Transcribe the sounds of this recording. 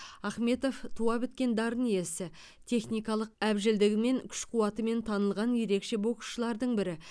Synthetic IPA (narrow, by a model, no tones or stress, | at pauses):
ɑχme̞t̪o̞ft̪ʰuɑbɪt̪̚kʲe̞nd̪ɑɾənije̞sɪ | t̪ʰe̞χnijkɑlˠəq̚æbʒɪld̪ɪɡʲɪme̞ŋkʲʰʏ̥ʃqʰuwɑt̪əme̞nt̪ʰɑnəlˠʁɑnje̞ɾe̞kʃe̞bo̞qə̥ʃəlˠɑɾd̪əɴbɪɾɪ